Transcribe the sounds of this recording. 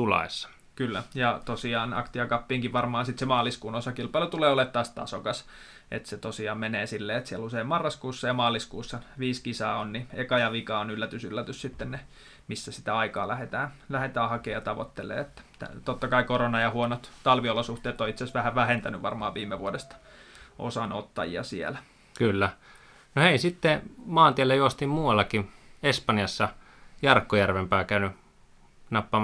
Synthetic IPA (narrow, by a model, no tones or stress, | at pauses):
tulɑ̰esːɑ̥ | kylːæ̰jɑt̪osiɑːnɑ̰kt̪iɑkɑpːiːŋkiʋʋɑrmɑːnsit̪semɑːliskuːnosɑkilpɑilut̪uleːolet̪ːɑːst̪ɑ̰sokɑs | ʔḛt̪set̪osiɑːmmeneːsilːeːet̪sieluseimmɑrːɑskuːsːɑjɑmɑːliskuːsːɑʋiːskisɑːonniekɑjɑʋikɑonylːæt̪ysylːæt̪yssit̪ːenne | misːæsi̥t̪æɑikɑ̰ːlæhet̪æːnlæhet̪æːhɑkeːjɑt̪ɑʋo̰t̪ːelḛːet̪ːæ̥t̪æ̰t̪ot̪ːɑkɑikoronɑjɑhuonot̪t̪ɑlʋiolosuht̪eːt̪ːoit̪sesʋæhæʋæhent̪ænyʋʋɑ̰rmɑːʋʋiːmːeʋuodest̪ɑ̥ʔo̰sɑno̰t̪ːɑ̰jḭɑ̰siḛlæ | kylːæ | noheisit̪ːemɑːnt̪ielːejoost̪immuɑlːɑkiespɑnjɑsːɑ | jɑrkːojærʋempæːkæyny | nɑpːɑ